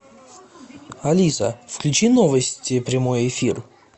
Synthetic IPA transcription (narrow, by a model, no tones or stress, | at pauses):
ɐlʲisə̰fklʲʉt͡ɕinovəsʲtʲɪpɾʲɪmojɪfʲir